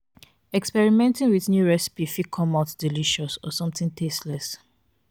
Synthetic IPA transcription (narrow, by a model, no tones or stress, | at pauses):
ɛkspɛɹimɛ̃ntĩŋwiθnjuɹɛsi̥pifikʰɔmatdiliʃɔsɔ̰sɔ̃mθĩŋtʰestlɛs